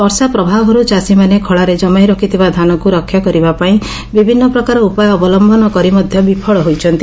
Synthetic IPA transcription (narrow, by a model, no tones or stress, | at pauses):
ɔɾsapɾɔbʱabɦɔɾut͡ʃasimanekʰɔɭaɾed͡ʒɔmajɾɔkʰit̪ʰibad̪ʱanɔkuɾɔkʰːjɔkɔɾibapaĩ | bibʱinːɔpɾɔkaɾɔupajɔːbɔlɔmbʱɔnɔkɔɾimɔd̪ʱjɔbipʰɔɭɔɦojt͡ʃʰɔnt̪i